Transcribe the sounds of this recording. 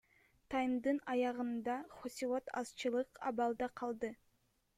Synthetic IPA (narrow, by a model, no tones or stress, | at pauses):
t̪ʰɑjmd̪ɯnɑjɑʁɯnd̪ɑχosʲilˠo̞t̪ʰɑ̰z̥t͡ʃɯlˠɯqɑ̰bɑlˠd̪ɑqʰɑlˠd̪ɯ